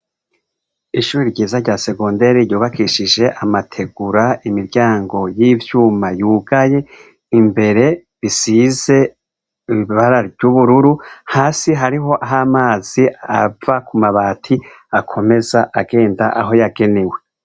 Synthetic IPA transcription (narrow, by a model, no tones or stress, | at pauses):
iʃuːɾiɾɟiːzaɾɟaːse̞ɡondeɾiɾjoːβakiʃid͡ʒe̞ʔamatʰe̞ɡuɾaimiɾɟaːŋɡo̞jiːvjuːmajuːɡaje̞ | imbe̞ɾe̞ | βisize̞ | iβiβaɾavɟjuβuɾuɾuhaːsiɦaɾiɦo̞ʔaɦamaːz̥iavakumaβaːtʰi | akʰo̞me̞zaʔaɡe̞ːndaʔaɦo̞jaɡe̞newe̞